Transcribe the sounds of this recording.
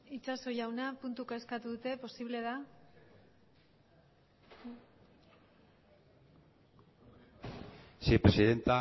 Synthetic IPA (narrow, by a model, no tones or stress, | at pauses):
it͡ʃaso̞jawnapunt̪ukaeskat̪uðut̪e̞po̞siβle̞ð̞a | sepɾesiðent̪a